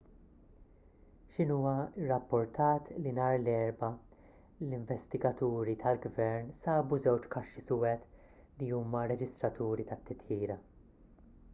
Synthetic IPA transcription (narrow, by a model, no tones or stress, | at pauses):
ʃɪnuːɐɪrːɐpːʊɾt̪ɐːt̪linɐːɾlɛɾbɐ | lɪɱvɛst̪ɪɡɐt̪uːɾit̪ʰɐlɡvɛɾnsɐːbuzɛwt͡ʃkɐʃːisʊwɛt̪ | liuːmɐɾɛd͡ʒɪst̪ɾɐt̪uːɾit̪ɐt̪ːɪt̪jiːɾɐ